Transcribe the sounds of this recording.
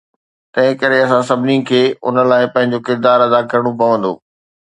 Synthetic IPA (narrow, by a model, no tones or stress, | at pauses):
t̪ɐ̃ɦɪ̃kɐɾeɐsãsɐbʱɪnikʰeːʊ̰nə̆laːɪpɐ̃ɦɪ̃ɲ̆d͡ʑokɪɾd̪aːɾɐd̪akɐɾəɽ̃op̬ɐʋə̃nd̪o̰ː